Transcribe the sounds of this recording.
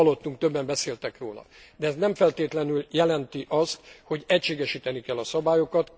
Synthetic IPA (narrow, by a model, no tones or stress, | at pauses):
ɒlːo̞t̪ːuŋk̚t̪øbːɛmbɛseːlt̪ɛkroːlɒ̰d̪ɛːznɛɱfɛlt̪eːt̪lɛnyljɛlɛnt̪iʔɒst̪ho̞ɟɛcʃeːɡɛʃiːt̪ɛnikɛlːɒsɒbaːjokɒt̪